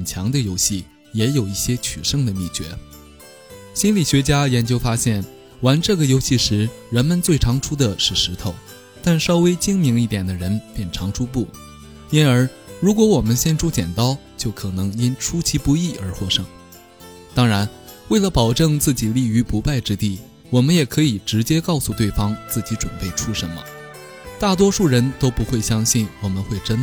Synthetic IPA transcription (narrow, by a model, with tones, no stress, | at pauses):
xə˨˩nt͡ɕʰjɑ˧˥ŋd̪ə˧jo˧˥ʊɕi˥˩ | jɛ˧˥jo˨˩ʊi˥˩ɕjɛ˥t͡ɕʰy˨˩ʂɤ˥˧ŋd̪ə˩mi˥˩t͡ɕɥɛ̰˧˥ | ɕi˥nli˨˩ɕɥɛ˧˥t͡ɕja˥jɛ˧˥nt͡ɕjo˥ʊfa˥ɕjɛ˥˩n | wa˧˥nʈ͡ʂɤ˥˩ɡə˩jo˥ʊɕi˥˩ʂɻ̩˧˥ɻə˧˥nmə˧nt͡swe˥˩ɪʈ͡ʂʰɑ˧˥ŋʈ͡ʂʰu˥d̪ə˨ʂɻ̩˥˩ʂɻ̩˧˥t̪ʰo˨˧˩ʊ | t̪a˥˩nʂɑ˥ʊwe˥ɪt͡ɕi˥ŋmi˧˥ŋi˥˩t̪jɛ˨˩nd̪ə˦ɻə˧˥npjɛ˥˩nʈ͡ʂʰɑ˧˥ŋʈ͡ʂʰu˥p̬u˥˩ | i˥nə˞˧˥ | ɻu˧˥kwɔ˧˥wɔ˨˩mə˦nɕjɛ˥˧nʈ͡ʂʰu˥t͡ɕjɛ̰˨˩nt̪ɑ˥ʊt͡ɕjo˥˩ʊkʰɤ˨˩nɤ˧˥ŋi˥nʈ͡ʂʰu˥t͡ɕʰi˧˥pu˧˥i˥˩ə˞˧˥xwɔ˥˩ʂɤ˥˩ŋ | t̪ɑ˥ŋɻa˧˥n | we˥˩ɪlə˨˩pɑ˨˩ʊʈ͡ʂɤ˥˧ŋt͡sɹ̩˥˩t͡ɕi˨˩li˥˩y˧˥pu˧˥pa˥˩ɪʈ͡ʂɻ̩˥t̪i˥˩ | wɔ˨˩mə˦njɛ˨˩kʰɤ˧˥i˨˩ʈ͡ʂɻ̩˧˥t͡ɕjɛ˥kɑ˥˧ʊsu˥˧t̪we˥˩ɪfɑ˥ŋt͡sɹ̩˥˩t͡ɕi˧˥ʈ͡ʂə˨˩npe˥˩ɪʈ͡ʂʰu˥ʂə˧˥nmə̰˧ | t̪a˥˩t̪̬wɔ˥ʂu˥˩ɻə˧˥nt̪o˥ʊpu˧˥xwe˥˩ɪɕjɑ˥ŋɕi˥˩nwɔ˨˩mə˦nxwe˥˩ɪʈ͡ʂə˥n